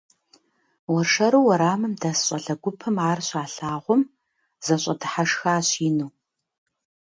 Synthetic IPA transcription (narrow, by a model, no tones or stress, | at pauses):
wɔrʂɐɾuːwɐɾaːmɨmdɐsɕʼɐɮɐɡʷʊpʰɨmaːrɕaːɬaːʁʷʊm | z̥ɐɕʼɐdɨħaʂxaːɕiːnuː